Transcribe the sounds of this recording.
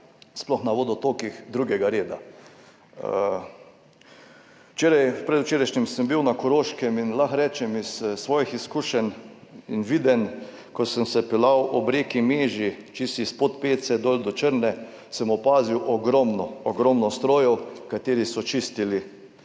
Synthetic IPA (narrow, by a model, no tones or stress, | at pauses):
splɔxnaʋoːd̪ɔt̪oːkixd̪ɾuːɡɛɡaɾeːd̪a | t͡ʃeːɾajpɾɛd̪ut͡ʃeːɾaʃnɛmsəmbiwnakɔɾoːʃkɛminlaxɾɛːt͡ʃɛmisːʋɔːjixiskuːʃɛn | inʋid̪ɛn | kɔsəmsɛpɛlawʔɔbɾeːkimeːʒit͡ʃisispot̪peːsɛd̪olʲd̪ɔt͡ʃəɾnɛ | səmɔpaːziwʔɔɡɾɔmnɔɔɡɾɔmnɔst̪ɾoːjɔwkat̪eːɾisɔt͡ʃist̪ili